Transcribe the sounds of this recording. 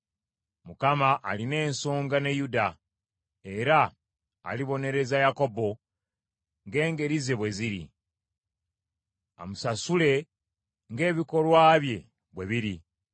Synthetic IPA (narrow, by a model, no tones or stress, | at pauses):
mukamaʔːline̞ːnso̞ːŋɡane̞juda | e̞ɾa | a̰liβo̞ne̞ɾe̞zajako̞bo̞ | ŋɡe̞ːŋɡe̞ɾize̞βwe̞ziɾḭ | amusasule̞ | ŋɡe̞ːβiko̞lwaːβje̞ | βwe̞βiɾi